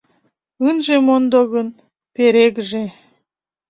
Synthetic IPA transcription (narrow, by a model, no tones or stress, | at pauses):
ɨnʒemond̪oɣən | peɾeɡʒe